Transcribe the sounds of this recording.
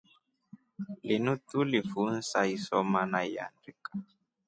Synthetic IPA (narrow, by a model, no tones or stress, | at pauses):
linutulifun̩saisɔmanaia̰ndikḁ